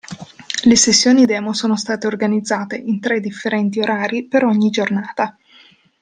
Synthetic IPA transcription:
lesesːjoːnid̪ɛːmosoːnost̪aːt̪eorɡanid̪zːaːt̪eʔint̪ɾɛd̪ːifːeɾɛnt̪ioɾʔaːɾipeɾɔɲːid͡ʒornaːt̪a

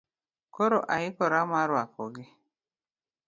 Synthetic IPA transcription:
koɾoʔaɪkɔɾamaɾwakɔɡɪ

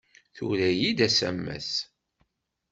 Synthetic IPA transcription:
θuɾæjid̪æsæ̰mːæ̰s

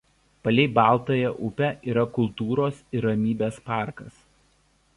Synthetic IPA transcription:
pɐlʲɛɪbɑˑlˠˑt̪oːjɛʔʊpʲɛʔiːɾɐkʊlˠt̪uːɾoːsɪɾɾɐmʲiːbʲeːspɑˑɾkɐs

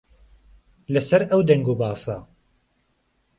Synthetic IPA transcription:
lɐsɐɾɐwd̪ɐŋɡuːbaːsɐ

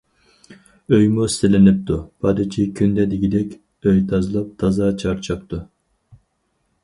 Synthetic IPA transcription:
øjmust̪ɪlɪnɪp̚t̪upʰɑd̪it͡ʃʲʰikʲʰynd̪ɛd̪iɡʲid̪ɛkʲ | øjt̪ʰɑzɨlˠɑp̚t̪ʰɑzɑt͡ʃʰɑɾt͡ʃʰɑp̚t̪u

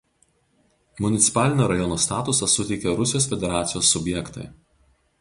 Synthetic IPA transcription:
mʊnʲɪt̪sʲɪ̥pɑːlʲɪnʲoːɾɐjɔnoːst̪ɑːt̪ʊsɐsʊt̪ʲɛɪkʲɛɾʊsʲɪjoːsfʲɛd̪ʲɛɾɑːt̪sʲɪjoːsːʊbʲjɛkt̪ɐ̰ɪ

